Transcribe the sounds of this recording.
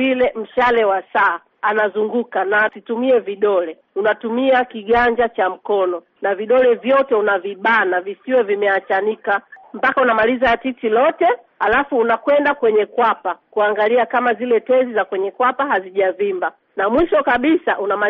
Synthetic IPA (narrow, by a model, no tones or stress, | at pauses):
ilɛm̩ʃalɛwasa | anazuŋɡukanaːtitumiɛviɗɔlɛ | unatumiakiɠaɲd͡ʒat͡ʃam̩kɔnɔ | naviɗɔlɛvjɔtɛunaviɓaːnavisiwɛvimɛat͡ʃanikampakaunamalizatitilɔtɛ | alafuːnakwɛndakwɛɲɛkwapakuaŋɡaliakamazilɛtɛzizakwɛɲɛkwapaɦaziʄavimba | namwiʃɔkaɓisaʔunama